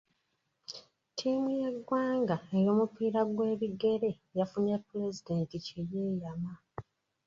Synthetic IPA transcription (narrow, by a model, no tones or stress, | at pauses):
tʰiːmujeɡwaːŋɡae̞jo̞ːmupiːɾaɡwe̞ːβiɡe̞ɾe̞ | jafunepːuɾe̞zide̞ːnticeje̞ːjama